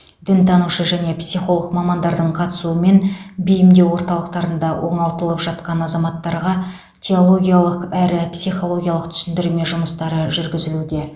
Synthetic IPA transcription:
d̪̥ɪnt̪ʰɑnuʃəʒæne̞psʲijχo̞lˠəqmɑmɑnd̪ɑɾd̪əɴqʰɑt̪ə̥suəme̞nbejɪmd̪ʲewo̞ɾt̪ɑlˠəqt̪ɑɾənd̪ɑwʔo̞ɴɑlˠt̪əlˠəpʒɑt̪qɑnɑzɑmɑt̪ːɑɾʁɑ | t̪ʲʰeo̞lˠo̞ɡʲijɑlˠəqæɾɪpsijχo̞lˠo̞ɡʲijɑlˠəq̚t̪ʰʏ̥sɪnd̪ɪɾme̞ʒʊməst̪ɑɾəʒʏɾɡʲɪzɪlud̪e̞

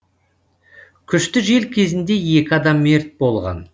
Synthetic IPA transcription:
kʲʰʏʃt̪ɪʒe̞lkʲʰe̞zɪnd̪e̞je̞kʲɪɑd̪ɑmːe̞ɾt̪̚bo̞lˠʁɑ̰n

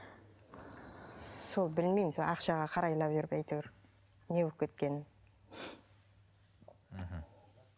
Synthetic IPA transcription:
so̞lˠbɪlmejmsolˠɑqʃɑʁɑqʰɑɾɑjlˠɑpʒeɾɪpæjt̪uwɾ | newɵk̚ʲkʲʰːe̞t̪̚kʲe̞nɪn

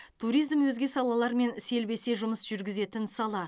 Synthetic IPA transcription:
t̪ʰuɾijzmwɵzɡʲe̞sɑlˠɑlˠɑɾme̞nse̞lbe̞se̞ʒʊməsʒ̥ʏɾɡʲɪze̞t̪ɪnsɑlˠɑ

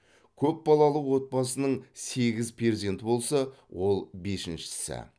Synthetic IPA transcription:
kʲʰɵp̚bɑlˠɑlˠəqwo̞t̪̚bɑsənəɴse̞ɡʲɪzpʰe̞ɾze̞nt̪ɪbo̞lˠsɑwo̞lˠbe̞sɪnʃɪ̥sɪ̰

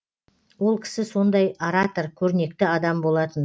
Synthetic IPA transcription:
wo̞lˠkʲʰɪ̥sɪso̞nd̪ɑjaɾɑt̪oɾkʲʰɵɾne̞kt̪ɪɑd̪ɑmbo̞lˠɑt̪ən

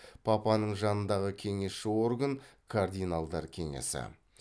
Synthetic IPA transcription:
pʰɑpɑnəɴʒɑnənd̪ɑʁəkʲʰe̞ŋe̞sʃɪoɾɡənkʰard̪ijnalˠd̪ɑɾkʲʰe̞ŋḛsɪ̰

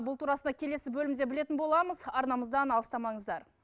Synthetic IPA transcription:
bʊlˠt̪ʰuɾɑsənd̪ɑkʲʰe̞le̞sɪbɵlɪmd̪e̞bɪle̞t̪ɪnbo̞lˠɑməzɑɾnɑməzd̪ɑnɑlˠəst̪ɑmɑɴəzd̪ɑɾ

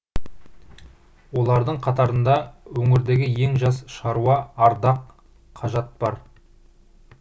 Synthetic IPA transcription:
wo̞lˠɑɾd̪əɴqʰɑt̪ɑɾənd̪ɑwɵŋɪɾd̪e̞ɡʲɪje̞ŋʒɑsʃɑɾuɑːɾd̪ɑqʰː | ɑʒɑt̪̚b̥ɑɾ

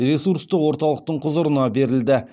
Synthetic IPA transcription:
ɾe̞suɾst̪əqwo̞ɾt̪ɑlˠəq̚t̪əɴqʰʊzəɾənɑbe̞ɾɪld̪ɪ

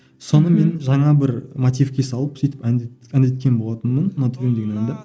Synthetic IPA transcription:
so̞nəme̞nʒɑɴɑbɪɾmot̪ijfkʲe̞sɑlˠəpsijt̪ɪ̥pæænd̪e̞t̪̚kʲe̞nbo̞lˠɑt̪ənmənnɑt̪ʰʏɾend̪eɡʲɪnænd̪ɪ

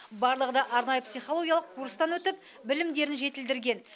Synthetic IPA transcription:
bɑɾlˠəʁəd̪ɑʔɑɾnɑjəpsijχo̞lˠo̞ɡʲijɑlˠəqkʰːuɾst̪ɑnwɵt̪ɪp̚ | bɪlɪmd̪e̞ɾɪnʒe̞t̪ɪld̪ɪɾɡʲe̞n

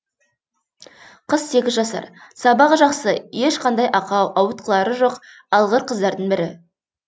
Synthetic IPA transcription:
qʰəzse̞ɡʲɪzʒɑsɑ̰ɾsɑbɑʁəʒɑqsəje̞ʃqʰɑnd̪ɑjʔɑqɑwʔɑwət̪̚qʰəlˠɑɾəʒo̞q | ɑlˠʁəɾqʰəzd̪ɑɾd̪əɴbɪɾɪ

